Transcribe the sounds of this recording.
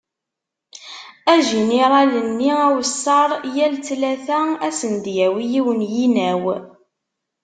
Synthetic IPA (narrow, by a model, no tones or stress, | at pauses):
æʒiniɾˤɑlənːiæwəsːɑɾˤjælt͡slæθææsənd̪jæwijiwənjinæw